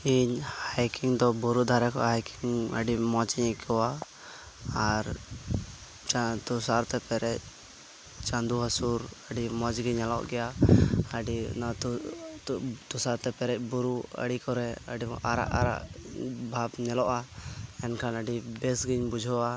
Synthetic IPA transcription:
iɲhajkiŋd̪ɔbuɾud̪ʱaɾɛkɔʔaɦajkiŋə̰ɖimɔd͡ʒiɲɛkʰɔwaː | ɾ | t͡ʃat̪usaɾt̪ɛpɛɾɛc̚ | t͡ʃand̪uɦasuɾəɖimɔd͡ʒɡiɲɛlɔ̰ʔɡɛjaəɖi | t̪usaɾt̪ɛpɛɾɛc̚buɾuə̰ɽikɔɾɛə̰ɖiaɾa̰ʔa̰ɾa̰ʔbʱabɲɛlɔʔaɛnkʰanəɖibɛsɡiɲbud͡ʒʱɔwa

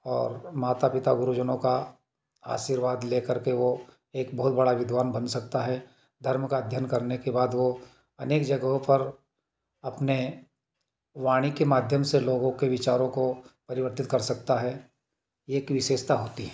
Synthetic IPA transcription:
ɔːɾmaːt̪apɪt̪aɡʊɾud͡ʒənõka | a̰ːʃiːɾʋaːd̪leːkəɾkeʋo | eːkbɐɦʊt̪̚bɐɽaʋɪd̪ʱʋaːnbɐnsɐk̚t̪aɦɛ | d̪ʱɐɾmkad̪ʱjənkɐɾnekebaːd̪ʋo | ɐneːkd͡ʒɐɡɦõpɐɾ | ɐpne | ʋaːɽ̃ikemaːd̪ʱjəmseloːɡõkeʋɪt͡ʃaːɾõkopɐɾɪʋəɾt̪ɪt̪̚kɐɾsɐk̚t̪aɦɛ | jeːkʋɪʃeːʃt̪aɦoːt̪iɦɛː

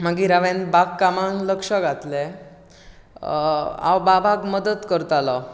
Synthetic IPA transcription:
m̤aɡiːɾaʋẽnbaɡkamaɳləkʂəɡat̪le | a̰wbabʱaɡməd̪ət̪kəɾt̪alɔ

